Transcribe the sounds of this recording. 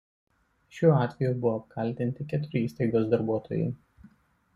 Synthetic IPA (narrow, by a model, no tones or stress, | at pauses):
ʃʲuːɑːt̪ʲʋʲɛjuˑbʊʋoːp̚kʰɐlʲt̪ʲɪnʲt̪ʲɪkʲɛt̪ʊɾʲɪiːst̪ɐɪɡoːsd̪ɐɾbuɔt̪oːjɛ̰ɪ